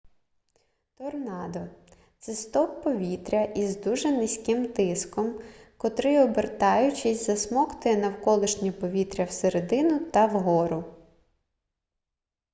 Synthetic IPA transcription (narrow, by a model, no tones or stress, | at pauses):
t̪ɔrnɑd̪ɔ | t̪sɛst̪ɔppːɔʋʲit̪ɾʲɐʔizd̪uʒɛnɪsʲkɪmt̪ɪskɔmkɔt̪ɾɪɔbert̪ɑjʊt͡ʃɪsʲzɐsmɔkt̪ɪnɐwkɔlˠɪʃnʲɔpɔʋʲit̪ɾʲɐwseɾed̪ɪnʊt̪ɐwɦɔɾʊ